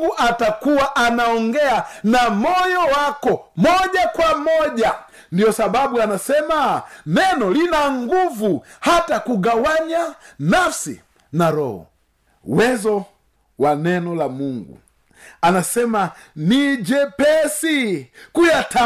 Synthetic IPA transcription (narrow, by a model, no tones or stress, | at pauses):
ɡuʔatakuwaʔanaɔŋɡɛanamɔjɔwakɔmɔʄakwamɔʄa | ndiɔsaɓaɓuanasɛmanɛnɔlinaŋɡuvuhatakuɡawaɲanafsḭ | naɾɔ̰hɔ̰ | wɛzɔ | wanɛnɔlamuŋɡṵ | anasɛmanid͡ʒɛpɛsikujata